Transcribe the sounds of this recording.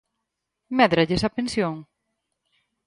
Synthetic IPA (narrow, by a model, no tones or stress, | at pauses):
mɛðɾaʎesapensjoŋ